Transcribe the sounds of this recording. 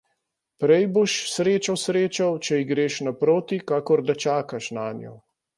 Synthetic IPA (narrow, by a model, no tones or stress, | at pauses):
pɾɛjboʃsɾeːt͡ʃasɾeːt͡ʃawt͡ʃɛiɡɾeːʃnapɾoːt̪ikaːkɔɾd̪at͡ʃaːkaʃnaːnjɔ̰